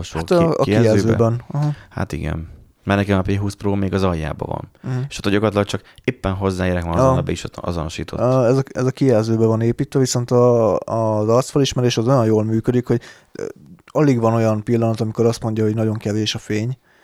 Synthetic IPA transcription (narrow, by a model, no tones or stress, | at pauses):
oat̪ɒ̰ɛɛzøːbɛnɒɦha̰ːt̪ḭɡɛ̰n | marnɛkinɒpeːɦuːsproːmeːɡɒzɒjːa̰ːbɒ̰vɒ̰n̩eʃot̪ːojoɡɒt̪lɒk̚t͡ʃɒkeːpːɛnɦo̞zːaːeːɾɛkmaːnːbɛiʃɒ̰zonoʃḭːt̪ʰo̰ɛzɒɛzɒkijɛlzøːbɛvɒneːpiːt̪ʋɛviso̞nt̪ɒː | zɒrt̪sfɛliʃmɛɾeːʃɛzo̞jɒnjoːlmyːkød̪ikho̞ɟ | ɒliɡʋɒno̞jɒnpilːɒnɒt̪ɒmikoɾɒst̪mo̞ɲɟɒɦoɟnɒɟo̞ŋkɛveːʃɒfeːɲ